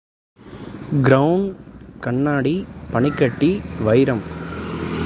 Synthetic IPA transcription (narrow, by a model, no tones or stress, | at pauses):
ɡɾɐwɳkɐɳːaːɽipɐɳɪkːɐʈːiʋɐɪɾɐm